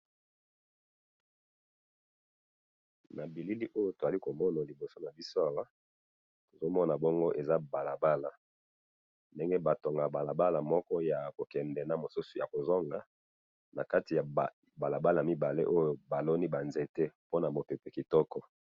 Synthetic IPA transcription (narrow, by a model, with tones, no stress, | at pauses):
na˨bi˨li˦li˦ʔo˦jo˨to˨za˨li˦ko˨mɔ˦na˨li˨bo˨so˦na˨bi˦so˦a˨wa˦ | to˨zo˦mɔ˦na˨bɔ˦ŋɡo˦ʔe˨za˦ba˨la˨ba˦la˨ | nde˦ŋɡe˦ba˨to˨ŋɡa˨ba˨la˨ba˦la˨mɔ˦kɔ˦ja˨ko˨kɛ˨ndɛ˨na˨mo˨su˦su̥˨ja̰˨ko˨zɔ˦ŋɡa˨˦ | na˨ka˦ti˨ja˨ | ba˨la˨ba˦la˨a˨mi˦ba˨lḛ˦ʔo˦jo˨ba˨lɔ˦ni˦ba˨nze˨te˦po˦na˨mo˨pe˨pɛ˨ki˨tɔ˦kɔ˦